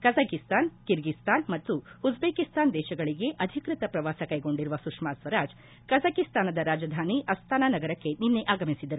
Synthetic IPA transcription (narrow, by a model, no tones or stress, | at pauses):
kɐzaːkist̪aːnkiɾɡist̪aːnmɐt̪ːuud͡ʒbeːkist̪aːnd̪ɛːʃɐɡɐɭiɡe̞ʔɐd̪ʱikɾit̪ɐpɾɐʋaːsɐkɐjɡo̞ɳɖiɾuʋɐsukʂmaːsʋɐɾaːd͡ʒ | kɐzakist̪aːnɐd̪ɐɾaːd͡ʒɐd̪ʱaːniʔɐst̪ʰaːnaːnɐɡɐɾɐkːe̞ninːeʔaːɡɐmisid̪ɐɾu